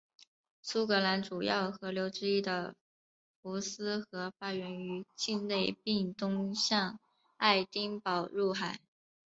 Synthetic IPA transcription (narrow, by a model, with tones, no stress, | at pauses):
sʰu˥kɤ˧˥la˧˥nʈ͡ʂu˨˩jɑ˥˩ʊxɤ˧˥ljo˧˥ʊʈ͡ʂɻ̩˥i˥˩d̪ə˩ | fu˧˥sɹ̩˥xɤ˧˥fa˥ɥɛ˧˥ny˧˥t͡ɕi˥˧nle˥˧ɪpi˥˧ŋt̪ʊ˥ŋɕjɑ˥˧ŋ | a˥˩ɪt̪i˥ŋpɑ˨˩ʊɻu˥˩xa˨˩˦ɪ